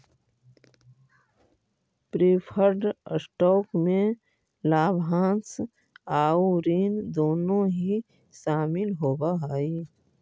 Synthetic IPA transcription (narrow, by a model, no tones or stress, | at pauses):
pɾiːpʰəɾɖsʈɔːkmẽ | laːbʱãːns | aːuɾiːnd̪oːnõɦi | ʃaːmɪlɦoːbaɦaːi